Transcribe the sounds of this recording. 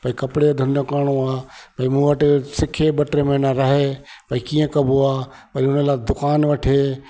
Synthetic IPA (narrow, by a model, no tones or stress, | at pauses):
pɐikɐpɽed̪ʱɐnõkaːɽ̃oaːpɐĩmũːʋɐʈsɪkʰeɓɐʈɾemẽnɐɾɐɦepɐikiːə̃kɐboaː | pɐɾiʊnəlaːd̪ʊkaːnʋɐʈʰeː